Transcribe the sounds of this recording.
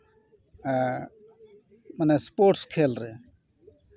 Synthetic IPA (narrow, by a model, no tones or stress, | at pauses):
mɐneːspoːʈskʰeːlɾeː